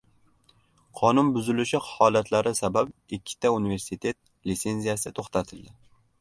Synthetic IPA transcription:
qʰɒnʊnbʊzɪlɪʃɪhɒlat̪ʰlaɾɪsababɪkʲʰːɪ̥t̪ʰaunive̞ɾsɪt̪ʰe̞t̪̚ | lɪt̪se̞nzijasɪt̪ʰoχt̪at̪ʰɪld̪ɪ

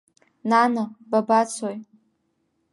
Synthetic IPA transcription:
nanababat͡sʰoj

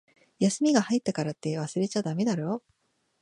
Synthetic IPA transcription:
jasɨmʲiɡahait̪ːakaɾat̪ːe̞βasɨɾe̞t͡ɕad̪ame̞d̪aɾo

